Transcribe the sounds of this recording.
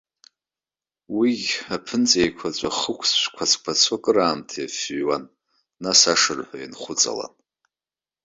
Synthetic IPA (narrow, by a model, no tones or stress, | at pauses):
wiɡʲapʰɨnt͡sʼejkʷʰat͡ɕʷʼaχəkʷʰsʃʷkʷʰat͡sʰʼkʷʰat͡sʷʰakʼɨɾaːmtʰajafwanː | asaʂɨrħʷajinχʷʊt͡sʼa̰la̰